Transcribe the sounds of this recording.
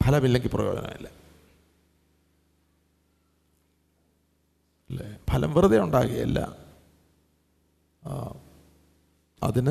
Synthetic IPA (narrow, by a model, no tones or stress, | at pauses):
pʰɐlɐmilːeŋɡiprɐjoːɡɐ̰na̰ːjḭlːe | lːepʰɐlɐ̰mʋirðɐuɳɖa̰ːɣɐɐɐ̰lːɐ̰ | ɐ̰ðin